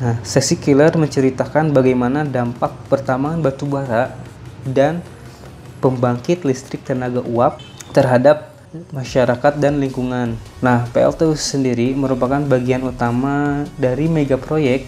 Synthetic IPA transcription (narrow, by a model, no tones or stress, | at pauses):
nahsɛksikilərməɲt͡ʃəɾit̪akanbaɡajmanadampak̚pərt̪amaːnbat̪ubaɾa | dan | pəmbaŋkɪt̪list̪ɾɪk̚t̪ənaɡaʔuap̚t̪ərɦadap̚ | maʃaɾakat̪̚danliŋkuŋanː | ahpeɛ̰lt̪ewsəndiɾiməɾupakanbaɡianut̪amadaɾimeɡapɾojɛk̚t̪